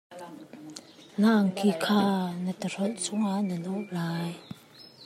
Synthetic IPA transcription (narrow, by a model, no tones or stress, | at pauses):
laʔŋkikʰaːnət̪əɾ̥ɔt̪̚sɔŋaʔnənɔʔlaːj